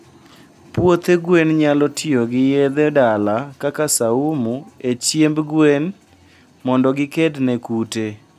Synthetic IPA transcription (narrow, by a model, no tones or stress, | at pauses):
pwot̪eɡwenɲalɔtʰɪoɡɪjed̪edalakakasaumuet͡ʃjembɡwen | mɔndɔɡɪkednekute